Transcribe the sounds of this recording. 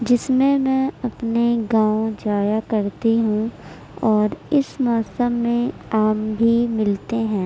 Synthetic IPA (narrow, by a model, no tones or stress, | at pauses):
d͡ʒɪsmẽmɛ̃ɐpneɡãːõd͡ʒaːjakɐɾt̪iɦũ | ɔːɾɪsmɔːsəmːẽaːmbʱimɪlt̪eɦɛ̃ː